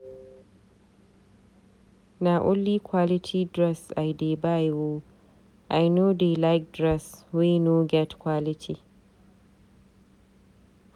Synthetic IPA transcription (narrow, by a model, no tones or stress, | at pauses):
naʔʊlːiːkʷʰwalɪtʰidɾɛsʔajdebajwo | ʔajnodelajk̚dɹɛswinoɡɛtkwalɪtʰi